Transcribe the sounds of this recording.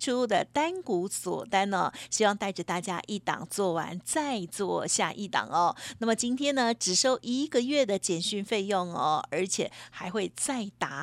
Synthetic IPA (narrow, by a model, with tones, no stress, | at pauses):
ʈ͡ʂʰu˥d̪ə˨t̪a˥nku˧˥swɔ̰˨˩t̪a˥nə̰˧ɕi˥wɑ˥˧ŋt̪a˥˩ɪʈ͡ʂə˨˩t̪a˥˩t͡ɕja̰˦˥ʔi˥˩t̪ɑ̰˨˩ŋt͡swɔ˥˩wa̰˧˦nt͡sa˥˧ɪt͡swɔ˥˧ɕja̰˥˧ʔi˥˩t̪ɑ̰˨˩ŋɐ˦na˥˩mə˨˩t͡ɕi˥nt̪ʰjɛ˥nə˨ʈ͡ʂɻ̩˨˩ʂo˥˧ʊʔi˧˥ɡə˧ɥɛ˥˩d̪ə˩t͡ɕjɛ˨˩nɕy˥˧nfe˥˧ɪjo˥˩ŋə̰˩ə˞˧˥t͡ɕʰjɛ˨˩xa˧˥ɪxwe˥˧ɪt͡sa˥˩ɪt̪a˧˥